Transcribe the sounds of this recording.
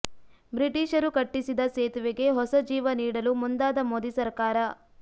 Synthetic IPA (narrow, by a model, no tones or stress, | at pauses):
bɾiʈiːʃɐɾukɐʈːisid̪ɐseːt̪ʋeɡe̞ɦɔsɐd͡ʒiːʋɐniːɽɐlumund̪aːd̪ɐmoːd̪isɐɾkaːɾɐ